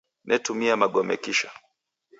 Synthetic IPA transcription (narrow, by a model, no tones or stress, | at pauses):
nʔɛtumiamaɠɔmɛ̰kiʃa